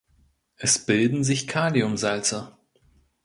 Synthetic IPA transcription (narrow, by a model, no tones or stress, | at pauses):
ʔɛsb̥ɪldn̩zɪçkʰaːliʊmzalt͡sɐ